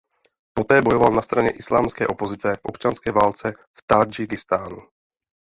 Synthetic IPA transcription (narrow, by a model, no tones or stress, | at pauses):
po̞t̪ɛːbojo̞valnast̪ɾaɲɛ̰ʔɪslaːmskɛ̰ːʔo̞po̞zɪt͡sɛfʔopt͡ʃanskɛːvaːlt͡sɛ | ft̪ad͡ʒɪkɪst̪aːnu